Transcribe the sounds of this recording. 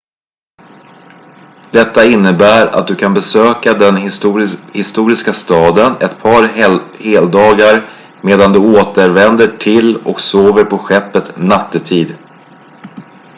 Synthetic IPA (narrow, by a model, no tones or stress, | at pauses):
d̪̥ɛt̪ːaɪnːəbæːɾa̰t̪̚d̪ɵkʰanbɛsøːkad̪ɛn | hɪst̪uːɾɪskast̪ɑːd̪ənɛt̪pʰɑɾheːld̪ɑːɡaɾ | meːd̪and̪ɵoːt̪əɾvɛnd̪əʈʰɪlɔ̰ksoːvəɾpʰɔɧɛpːət̪nat̪ːət̪ʰiːd̪